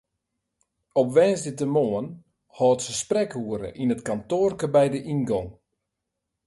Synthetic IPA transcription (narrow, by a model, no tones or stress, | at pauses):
ɔpʋɛːnsdɪtəmoːən | hɔːtsəsprɛkhuəɾə̰ʔinətkantoərkəbɛjdəʔinɡɔŋ